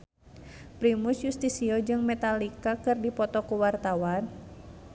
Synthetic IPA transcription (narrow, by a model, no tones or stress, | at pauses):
pɾimusjust̪isiɔd͡ʒɨŋmɛt̪alikakɨrdipɔt̪ɔkuwart̪awan